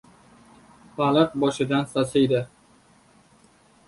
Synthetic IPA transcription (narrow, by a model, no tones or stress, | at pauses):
balˠɨq̚bɒʃɪd̪ansasɪjd̪ɪ